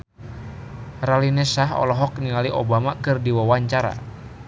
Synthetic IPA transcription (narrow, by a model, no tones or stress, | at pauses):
ralinɛsaɦɔ̰lɔɦɔk̚nilaliʔɔ̰bamakɨrdiwawaɲt͡ʃaɾa̰